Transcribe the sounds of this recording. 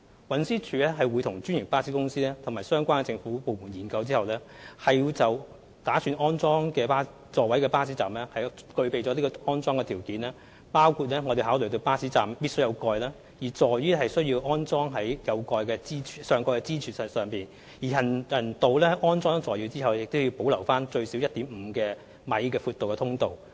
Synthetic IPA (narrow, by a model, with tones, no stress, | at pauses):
wɐ˨˥nsiː˥t͡ʃʰyː˨˥lɛː˥ɦɐ˨jwuː˨˧jt̪ʰʊ˨˩ŋt͡ʃy˥njɪ˨˩ŋpaː˥siː˨˥kʊ˥ŋsiː˥lɛː˥t̪ʰʊ˨˩ŋmaː˨˩jsœː˥ŋkʷaː˥nkɛ˧t͡sɪ˧ŋfuː˨˥po˨˧wmuː˨˩njiː˨˩nkɐ˧wt͡siː˥hɐ˨wlɛː˥ | hɐ˨ju˧t͡sɐ˨w | t̪aː˨˥syː˧nʔɔː˥nt͡sɔː˥ŋkɛː˧paː˥ | t͡sɔː˧wɐ˨˥jkɛː˧paː˥siː˨˥t͡sa̰ː˨mlɛː˥hɐ˨jkɵ˧ɥpe˨jt͡sɔː˨˥li˥kɔː˧ɔː˥nt͡sɔː˥ŋkɛː˧i˨˩wkiː˨˥nlɛː˥ | paː˥wkʰu˧t̚lɛː˥ŋɔː˨˧e˨˩ɦaː˨˥wlɵ˨˩t̪o˧wpaː˥siː˨˥t͡saː˨mpi˥tsjɐ˨˧wkɔː˧jlaː˥ | jiː˨˩t͡sɔː˨˩jjyː˥ɦɐ˨jsɵ˥ɥji˧wʔɔː˥nt͡sɔː˥ŋɦɐ˨˥jjɐ˨˧wkɔː˧jkɛː˧t͡siː˥t͡ʃʰyː˨˩sœː˨˧ŋkɔː˧kɛ˧t͡siː˥t͡ʃʰyː˨˩˨sœː˨˩ŋpiː˨˩n | jiː˨˩ɦɐ˨˩njɐ˨˩nt̪o˨wlɛː˥hɐ˨˥jʔɔː˥nt͡sɔː˥ŋt͡sɔː˨jiː˧t͡siː˥hɐ˨wljɪ˨k̚t̪o˥ji˧wpo˨˥wlɐ˨˩wfaː˥nt͡ʃɵ˧ɥsi˨˥wjɐ˥t̚t̪iː˨˥mm̩˨˧kɛː˧ | mɐ˨jkɛː˧fuː˧t̪wkɛ˧tʰʊ˥ŋt̪o˨w